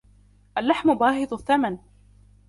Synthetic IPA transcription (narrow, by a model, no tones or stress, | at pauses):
ʔalːaħmʊbaːɦɨd̪ˤʊθːaman